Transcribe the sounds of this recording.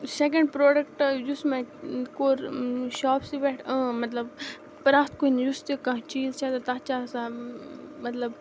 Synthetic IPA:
sek̬ɐ̃ɳɖ̚pɾoːɖɐkʈjusmẽkoːɾʃaːpsiʋeʈʰə̃ːmɐt̪lɐb | pɾaːst̪̚koinjust̪ikɐ̃t͡ʃiːzt͡ʃʰat̪ɐt̪ɐt͡ʃaːsã | mɐt̪lɐb

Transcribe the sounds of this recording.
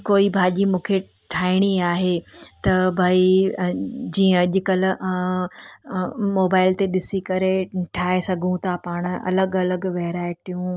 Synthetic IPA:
koːibʱaːʄimũːkʰe | ʈʰaːɪɽ̃iaːɦet̪ɐbʱaːi | d͡ʑĩːə̃ɐʄʊ̆kɐl̆ | moːbaːɪlt̪eɗɪsikɐɾeʈʰaːesɐɡʱũt̪ʰapaːɽ̃ɐ̰ləɡɐləɡʋɐɦɪɾaːɪʈijũ

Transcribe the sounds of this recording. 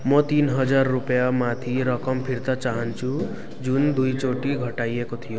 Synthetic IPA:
mʌt̪inɦʌd͡zarːupjamat̪ʰiɾʌkʌmpʰiɾt̪at͡ʃaɦʌnt͡ʃʰu | d͡ʒund̪ujt͡ʃoʈiɡʱʌʈajekot̪ʰijo

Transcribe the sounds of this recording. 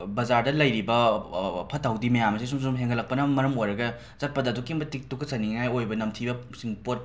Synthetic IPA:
bɐzaɾdɐlɐjɾibɐpʰɐtʰːawdimɐjamɐsis̬umsumɦeŋɡɐlɐk̚pɐnɐmɐɾɐmojɾɐɡɐ | zɐt̚pɐdɐːdukiŋbɐtik̚tukʰɐsɐniŋajojbɐnɐmtʰibɐ | siŋpot̚

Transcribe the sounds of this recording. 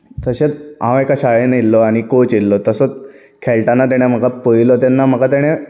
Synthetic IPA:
t̪əɕet͡sãwekaɕaɭenilːɔaɽ̃ikot͡ɕilːɔt̪əsət͡s | kʰeɭʈanːat̪̬aɽ̃em̤əkapəjilɔt̪̬anːam̤əkat̪̬aɽ̃e

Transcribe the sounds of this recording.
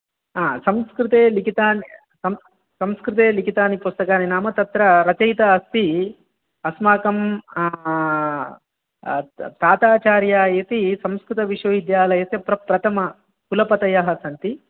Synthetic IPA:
aːsɐmskɾit̪eːlikit̪aːni | sɐm | sɐmskɾut̪eːlikit̪aːnipust̪ɐkaːninaːmɐt̪ɐt̪ɾɐɾɐt͡ʃɐjt̪ɐːst̪i | ɐsmaːkɐm | t̪aːt̪aːt͡ʃaːɾjaːet̪isɐmskɾut̪ɐʋiʂjɐʋid̪jaːlɐjɐt̪epɾɐpɾɐt̪ʰɐmɐ | kulɐpɐt̪ɐjɐɦɐsɐnt̪i

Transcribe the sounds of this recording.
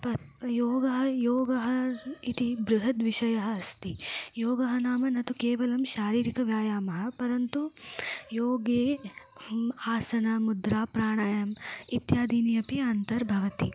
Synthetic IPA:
pɐ | joːɡɐɦɐjoːɡɐɦɐit̪ibɾuɦɐt̪ʋiʃɐjɐɦɐːst̪ijoːɡɐɦɐnaːmɐnɐt̪ukeːʋɐlɐmʃaːɾiːɾikɐʋjaːjaːmɐɦɐ̆pɐɾɐnt̪ujoːɡeː | aːsɐnɐmud̪ɾaːpɾaːɳaːjɐmit̪jaːd̪iːnijɐpiɐnt̪ɐɾbʱɐʋɐt̪i

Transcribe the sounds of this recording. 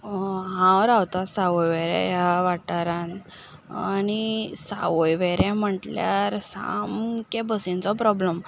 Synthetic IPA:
ɦãwɾawt̪asaʋojʋeɾɛ̰jaʋaʈaɾãn | anisa̰ʋojʋeɾɛ̃m̤əʈljaɾsa̰mkɛ̃bəsĩnt͡sɔpɾɔbləm

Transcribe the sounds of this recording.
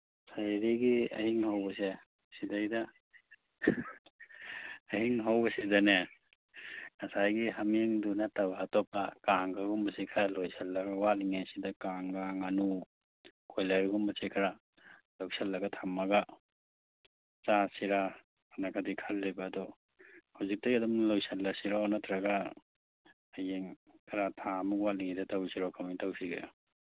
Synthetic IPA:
sajɾiɡiɐ̰hiŋhawbɐse | sidajdɐ | hiŋɦawbɐsidɐne | ŋɐsajɡihameŋdunatabaatɔpːakaŋɡaɡumbɐsekʰaɾalojsɐlːɐɡɐwaliŋajsidɐkaŋɡaŋanu | kʰojlajɾɐɡumbɐsekʰɐɾa | lowsɐlːɐɡɐtʰamːɐɡa | t͡ʃasiɾa | anakʰadikʰɐlːebaːdɔ | hawzik̚tɐɡiɐdɐmnlojsɐlːɐsiɾaɔnɐtɾɐɡa | ajeŋ | kʰɐɾatʰamukwatliŋidɐtawsiɾawkʰamitawsiɡḛ

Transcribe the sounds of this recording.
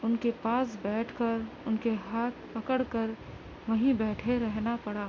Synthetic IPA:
ʊnkepaːs̬bɛːʈʰkəɾʊnkeɦaːt̪̚ʰpɐkəɽkəɾ | ʋɐɦĩbɛːʈʰeɾɛɦnapɐɽaː

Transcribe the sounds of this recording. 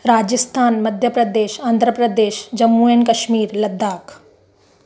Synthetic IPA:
ɾaːd͡ʒəst̪ʰaːnmɐd̪ʱjəpɾɐd̪eːʃãːnd̪ʱɾəpɾəd̪eːʃd͡ʑɐmːuenkɐʃmiːɾlɐd̪ːaːk

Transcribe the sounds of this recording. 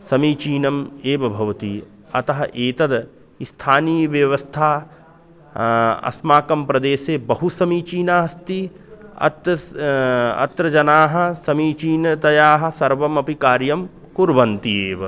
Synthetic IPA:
sɐmiːt͡ʃiːnɐmeːʋɐbʱɐʋɐt̪i | ɐ̰t̪ɐɦɐʔeːt̪ɐd̪ | ist̪ʰaːniːʋjɐʋɐst̪ʰaː | ɐ̰smaːkɐmpɾɐd̪eːseːbɐɦusɐmiːt͡ʃiːnaːɦɐst̪i | ɐ̰t̪ɐ | ɐ̰t̪ɾɐd͡ʒɐnaːɦɐ̆sɐmiːt͡ʃiːnɐt̪ɐjaːɦɐ̆sɐɾʋɐmɐpikaːɾjɐm | kuɾʋɐnt̪ieːʋɐ

